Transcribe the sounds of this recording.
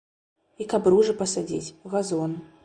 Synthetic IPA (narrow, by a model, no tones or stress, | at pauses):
ikabɾuʐɨpɐsad͡zʲḭt͡sʲɣazɔn